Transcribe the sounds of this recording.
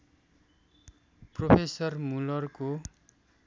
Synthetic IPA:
propʰesʌrmulʌrko

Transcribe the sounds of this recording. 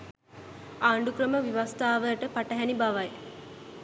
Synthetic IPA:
aːɳɖukɾəməʋiʋast̪aːʋəʈəpaʈəɦɛnibaʋaj

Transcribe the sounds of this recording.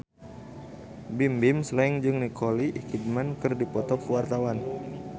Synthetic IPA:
bimbimslɛŋd͡ʒɨŋnikɔliʔkid̚mankɨrdipɔt̪ɔkwart̪awan

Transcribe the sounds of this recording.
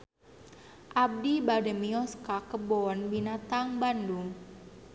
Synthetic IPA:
ʔab̚dibadəmiɔskakəbɔnbinat̪aŋbanduŋ

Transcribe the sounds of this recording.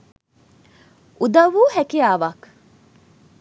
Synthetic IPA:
ʔud̪ɐʋuːhækiaːʋak

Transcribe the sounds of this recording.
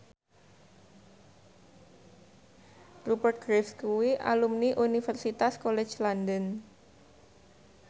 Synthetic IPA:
rubərt̪̚ɡɾifskuwiʔa̰lumniʔunifərsit̪askolɛ̥t͡ʃlandən

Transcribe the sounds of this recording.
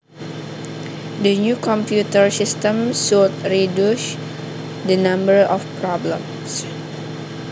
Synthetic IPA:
dənjukɔ̃mpjutəɹsistə̃msɔlt̚ɹiduʃ | dənãmbəɹɔfpɹɔblə̰̃m | s

